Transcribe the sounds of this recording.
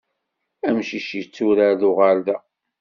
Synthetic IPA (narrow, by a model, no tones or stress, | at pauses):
æmʃiʃit͡sːuɾaɾðʊʁaɾðæ